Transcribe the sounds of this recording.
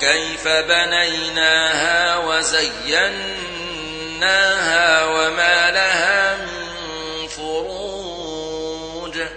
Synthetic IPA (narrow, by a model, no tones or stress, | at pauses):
kajfabanajnaːhaːwazajːan | aːhaːwamaːlahaːmɪn | fʊɾuː | d